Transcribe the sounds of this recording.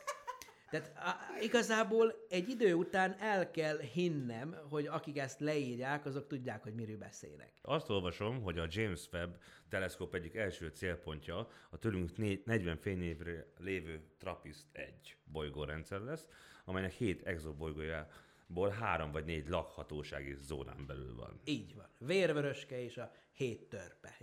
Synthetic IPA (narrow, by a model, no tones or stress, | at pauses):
t̪ɛaːt̪ːiɡɒzaːboːlɛɟːid̪øːut̪aːnɛlkɛlhinːɛmɦo̞ɟɒkikɛst̪lɛiːrjaːkɒzo̞k̚t̪uɟːaːkho̞ɟmiɾøːbɛ̰sḛːjnɛ̰kɒst̪o̞lvɒʃo̞mɦo̞ɟɒd͡ʒeːmsʋɛbt̪ɛlɛskoːpɛɟːikɛlʃøːt̪seːlpo̞ɲcɒɒt̪øːlyŋknenɛɟʋɛɱfeːneːvrɛleːvøːt̪rɒpist̪ɛ̰ɟːbo̞jɡoːɾɛnt̪sɛɾlɛsːɒmɛjnɛkheːt̪ɛɡzobo̞jɡoːjaː | boːlɦaːɾo̞mvɒɟneːɟlɒkhɒt̪oːʃa̰ːɡizo̰ːna̰ːmbɛly̰lvɒ̰niːɟʋɒnveːrvøɾøʃkɛeːʃɒ | heːt̪ːørpɛ